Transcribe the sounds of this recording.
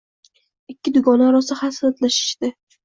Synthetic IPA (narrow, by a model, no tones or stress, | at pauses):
ɪkʲːɪd̪ʊɡɒnaɾɒsahasaɾat̪laʃɪ̥ʃd̪ɪ